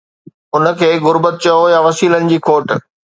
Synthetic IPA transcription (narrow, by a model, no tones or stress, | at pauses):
ʊnə̆kʰeːɣʊɾbət̪̚t͡ɕɐojaʋɐsiːlənɪ̆d͡ʑiːkʰoːʈ̆